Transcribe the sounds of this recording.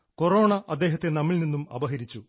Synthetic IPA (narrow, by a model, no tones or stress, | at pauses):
ko̞ro̞ːɳɐʔɐd̪ːe̞ːɦɐt̪ːe̞nɐmːiɭninːumɐ̰bɐɦɐɾit͡ɕːu